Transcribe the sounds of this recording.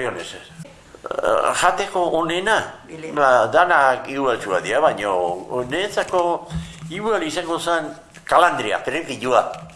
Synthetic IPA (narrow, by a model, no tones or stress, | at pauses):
ionese | ʝat̪e̞ko̞ʔːne̞naad̪anakiwalt͡suaðiaβaɲonet͡sako̞iwalisaŋɡo̞san | kaland̪ɾia̰pɾekiʎua